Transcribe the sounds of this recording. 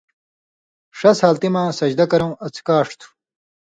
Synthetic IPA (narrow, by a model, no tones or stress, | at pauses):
ʂɐshaːlt̪imãːsɐd͡ʑd̪ɐkɐɾɐ̃w̃ɐt͡sʰkaːʂt̪ʰu̥